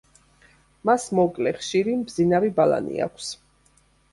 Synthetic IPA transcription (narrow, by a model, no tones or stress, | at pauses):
masmɔkʼlɛχʃiɾimbzinavibala̰nḭa̰kʰs